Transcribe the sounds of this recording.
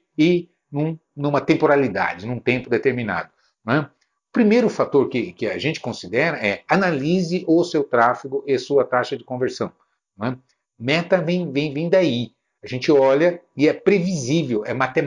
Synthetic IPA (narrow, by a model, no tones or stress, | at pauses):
ɪ | nũ | nũmɐt̪ẽmpoɾalid̪a̰d͡ʒɪnũt̪ẽmpʊd̪et̪eɾmina̰d̪ʊ | nw̃ɛ | ʊpɾimejɾʊfat̪oɾkɪkɪaʒẽnt͡ʃɪ̥kõsid̪ɛɾɐɛanalizɪʔʊsewt̪ɾafiɡʊʔɪasuɐt̪aʃɐd͡ʒɪkõveɾsɐ̃w̃ | ñɛ | mɛt̪ɐvẽj̃vẽj̃vẽj̃d̪ai | aʒẽnt͡ʃɪɔʎɐɪɛpɾevizivewɛmat̪e